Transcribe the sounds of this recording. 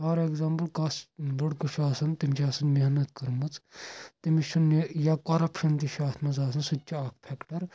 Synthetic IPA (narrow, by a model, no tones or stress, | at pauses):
aːɾeɡzaːmplkɐsbɐɽkuʃaːsɐnt̪imt͡ʃʰaːsɐnmiɦnɐt̪kɐɾmut͡st̪imiʃɐnjakɐɾɐpʰʃɐnt̪iʃaːt̪ʰmɐzaːs̬ɐnsutʲːt͡ʃːiaːkʰpʰɛkʈɐɾ